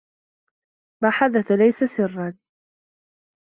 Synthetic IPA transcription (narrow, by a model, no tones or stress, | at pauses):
baːħaðaθalajsasɪrːan